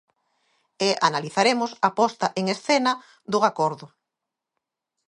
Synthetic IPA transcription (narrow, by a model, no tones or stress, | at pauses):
eʔanaliθaɾemʊsapɔst̪ɐʔeŋesθenɐ | ðʊakɔɾðʊ